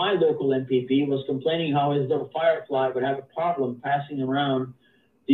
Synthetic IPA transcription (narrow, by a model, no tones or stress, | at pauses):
aɪloʊkl̩ˠɛ̃mpipiwʌz̥kə̃m̩pʰl̥ẽɪ̃ñɪ̃ŋɦaʊɪzlʌvəfaɪə˞flaɪwɨɾ̚ɨvəpʰɹ̥ɑblə̃mpʰæsɪ̃ŋə˞ãʊ̃n | ð